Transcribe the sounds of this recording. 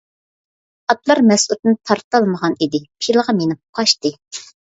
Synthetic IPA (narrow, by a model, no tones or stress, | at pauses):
ɑt̪lˠɑɾmɛsut̪nɪt̪ʰɑɾt̪ɑlˠməʁɑnid̪ɪpʰilˠəʁɑmenɪp̚qʰɑʃt̪ɨ